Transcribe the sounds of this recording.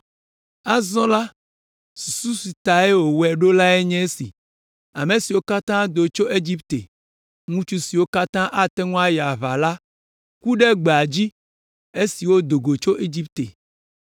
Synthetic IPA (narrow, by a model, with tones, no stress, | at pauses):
a˦zɔ̃˦la˦ | su̥˨su˦si˨t̪a˨e˦wo˨wɛ˨ɖo˦la˦e˦ɲɛ̃˦e˦sḭ˨ | a˨mẽ˨si˨wo˦ka˦t̪ã˦d̪o˨t͡ʃo˦ʔe˦d͡ʒi˦pt̪ḛ˨ | ŋũ˦t͡ʃu˦si˨wo˦ka˦t̪ã˦ʔa˦t̪ɛ˦ŋũ˦a˦ja˨βa˨la˦ | ku˦ɖɛ˦ɡ͡be˨a˨d͡ʑi˦ | e˦si˨wo˦d̪o˨ɡo˨t͡ʃo˦ʔe˦d͡ʑi˦p̚t̪e˨